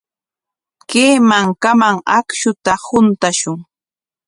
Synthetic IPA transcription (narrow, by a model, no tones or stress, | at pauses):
keːmaŋkamaŋakʃʊt̪ahʊnt̪aʃʊŋ